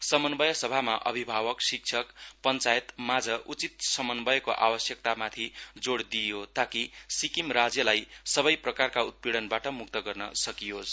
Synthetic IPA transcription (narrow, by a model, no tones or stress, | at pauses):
sʌmʌnbʌjʌsʌbʱamaʔʌ̰bʱibʱawʌksik̚t͡sʰʌkpʌnt͡sajet̪mad͡zʱʌʔut͡sit̪̚sʌmʌnbʌjʌkoʔa̰wʌsjʌk̚t̪amat̪ʰid͡zoɽd̪ijot̪akisikimrad͡zjʌlajsʌbʌjprʌkarkaut̪̚piɽʌnbaʈʌmuk̚t̪ʌɡʌrnʌsʌkijos